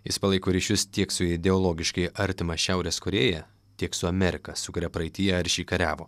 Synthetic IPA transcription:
jɪspɐlˠɐɪkoːɾʲiːʃʲʊst̪ʲiɛksʊɪd̪ʲɛɔlˠoːɡʲɪʃkɐɪʔɐɾʲt̪ʲɪmɐʃʲæˑʊɾʲɛskʊɾʲeːjɛ | t̪ʲiɛksʊɐmʲɛɾʲɪkɐsʊkʊɾʲɛpɾɐɪt̪ʲɪjɛɐɾʲʃʲiːkɐɾʲæːʋoː

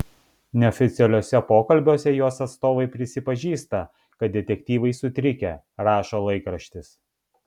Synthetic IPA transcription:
nʲɛɔfʲɪt̪sʲɛlʲoːsʲɛpoːkɐlʲbʲoːsʲɛjoːsɐt̪st̪oːʋɐɪpʲɾʲɪsʲɪpɐʒʲiːst̪ɐ | kɐt̪̚d̪ʲɛt̪ʲɛkʲt̪ʲiːʋɐɪsʊt̪ʲɾʲɪkʲɛ | ɾɑːʃoːlˠɐɪkɾɐʃʲt̪ʲɪs

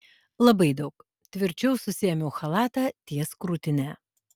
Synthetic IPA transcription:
lˠɐbɐɪd̪ɐʊk | t̪ʲʋʲɪɾʲt͡ʃʲɛʊsʊsʲiɛmʲuːxɐlˠɑːt̪ɑːt̪ʲiɛskɾuːt̪ʲɪnʲæː

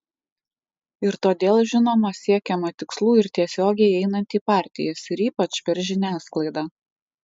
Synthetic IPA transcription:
ɪɾt̪oːd̪ʲeːlˠʒʲɪnoːmɐsʲiɛkʲɛmɐt̪ʲɪkslˠuːɪɾt̪ʲiɛsʲoːɡʲɛɪɛɪnɐnʲt̪ʲiːpɑˑɾʲt̪ʲɪ̰jɛsɪɾiːpɐt͡ʃpʲɛɾʒʲɪnʲæːsklˠɐɪd̪ɑː

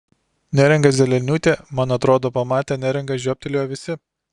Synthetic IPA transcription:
nʲæɾʲɛŋɡɐzʲɛlʲɛlʲnʲuːt̪ʲeːmɐnɐt̪ɾoːd̪oːpɐmɑːt̪ʲɛːnʲæɾʲɛŋɡɐʒʲoːp̚ʲt̪ʲɛlʲoːjɛʋʲɪsʲɪ

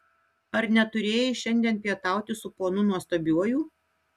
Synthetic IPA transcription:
ɐɾnʲɛt̪ʊɾʲeːjɪʃʲɛnʲd̪ʲiɛnpʲiɛt̪ɑˑʊt̪ʲɪsʊpoːnʊnuɔst̪oːbʲuɔjuː

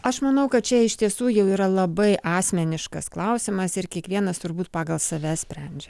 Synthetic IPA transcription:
ɐʃmɐnɐʊkɐt̪̚t͡ʃʲɛɪʃt̪ʲiɛsuːjɛʊiːɾɐlˠɐbɐɪʔɑːsʲmʲɛnʲɪʃkɐsklˠɐʊsʲɪmɐsɪɾkʲiɛkʋʲiɛnɐst̪ʊɾbuːt̪̚pɑːɡɐlˠsɐʋʲɛsʲpʲɾʲɛnʲd͡ʒʲɛ

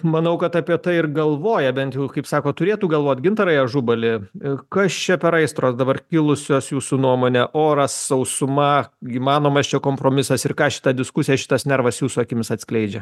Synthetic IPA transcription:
mɐnɐʊkɐt̪ɐpʲiɛt̪ɐɪɪrɡɐlˠʋoːjɛbʲɛnt̪jɛʊkɐɪpsɑːkoːt̪ʊɾʲeːt̪uːɡɐlˠʋoːt̪ʲɡʲɪnt̪ɐɾɐjɛʒʊbɐlʲɪkɐst͡ʃʲɛpʲɛɾɐɪst̪ɾoːsd̪ɐbɐrkʲɪlˠʊsʲoːsjuːsunuɔmoːnʲɛʔoːɾɐssɐʊsʊmɐiːmɑːnoːmɐst͡ʃʲɛkoːmpɾoːmʲɪsɐsɪrkɑːʃʲɪ̥t̪ɐd̪ʲɪskʊsʲɪjɛʃʲɪ̥t̪ɐsnʲɛɾʋɐsjuːsuɐkʲɪmʲɪsɐt̪ʲsʲklʲɛɪd͡ʒʲɛ

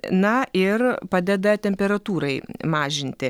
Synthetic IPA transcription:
nɐɪrpɑːd̪ʲɛd̪ɐt̪ʲɛmʲpʲɛɾɐt̪uːɾɐɪmɑːʒʲɪnʲt̪ʲɪ

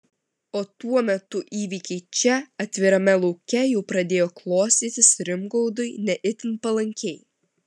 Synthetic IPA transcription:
oːt̪uɔmʲɛt̪ʊʔiːʋʲiːkʲɛɪt͡ʃʲɛɐt̪ʲʋʲɪɾɐmʲɛlˠɔʊkʲɛjɛʊpɾɐd̪ʲeːjoːklˠoːsʲt̪ʲiːt̪ʲɪsɾʲɪmɡɔʊd̪ʊɪnʲɛʔɪt̪ʲɪnpɐlˠɐŋʲkʲɛɪ

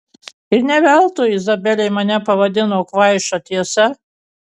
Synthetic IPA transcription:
ɪɾnʲɛʋʲɛlˠt̪ʊɪzɐbʲɛlʲɛɪmɐnʲɛpɐʋɐd̪ʲɪnoːkʋɐɪʃɐt̪ʲiɛsɛ

